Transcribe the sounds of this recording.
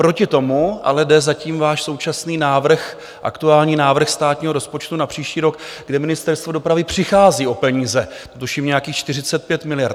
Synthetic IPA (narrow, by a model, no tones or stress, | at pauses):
pɾo̞cɪt̪o̞muʔa̰lɛdɛzaciːmvaːʃso̞wt͡ʃasniːnaːvr̩x | ʔa̰kt̪uaːlɲiːnaːvr̩xst̪aːt̪ɲiːɦo̞ɾo̞spo̞t͡ʃt̪unapr̥iːʃciːɾo̞kɡdɛmɪnɪst̪ɛɾst̪vo̞do̞pɾavɪpr̝̥ɪxaːziːʔo̞pɛɲiːzɛ | t̪ot̪uʃiːmɲɛjakiːxt͡ʃt̪ɪr̝ɪt͡sɛt̪̚pjɛt̪mɪlɪjaɾt̪